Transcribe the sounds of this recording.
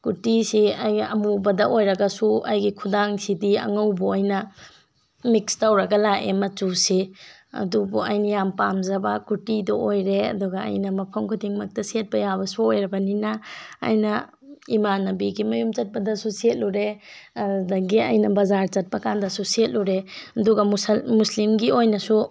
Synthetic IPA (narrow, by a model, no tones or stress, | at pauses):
kutisiajɐmubɐdɐʔojɾɐɡɐsuʔɐ̰jɡikʰudaŋsidiɐ̰ŋɐwbuajnɐ | mikstɐwɾɐɡɐlaʔemɐt͡ʃusi | ɐ̰dubuɐjnɐjampamzɐbakutiduʔojɾeɐ̰duɡɐɐ̰jnɐmɐpʰɐmkʰudiŋmɐk̚tɐset̚bɐjabɐsuojɾɐbɐninɐ̰ːjnɐ | imanːɐbiɡimɐjumt͡ʃɐt̚pɐdɐsuset̚luɾeɐdɐɡiɐ̰jnɐbɐzaɾt͡ʃɐt̚pɐkandɐsuset̚luɾeɐduɡɐmsmuslimɡiojnɐsu